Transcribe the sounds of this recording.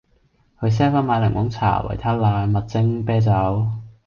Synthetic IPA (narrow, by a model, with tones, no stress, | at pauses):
kɵ˨˧ɥs̬ɛː˥faː˥nmaː˨˧jlɪ˨˩ŋmʊ˨˥ŋt͡sʰa̰ː˨˩wɐ̰˨˩jt̪ʰaː˥laː˧jmɐ˨t̚t͡sɪ˥ŋpɛː˥t͡sɐ˨˥w